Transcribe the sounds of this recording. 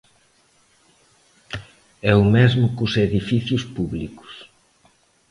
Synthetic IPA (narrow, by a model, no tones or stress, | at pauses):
ɛʊmezmʊkʊseðifiθjʊspuβlikʊ̥s